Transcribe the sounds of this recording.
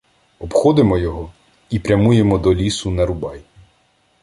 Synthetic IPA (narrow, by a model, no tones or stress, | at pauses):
ɔbxɔd̪ɪmɔjɔɦɔ | ipɾʲɐmujemɔd̪ɔlʲisʊnɐɾʊbɑj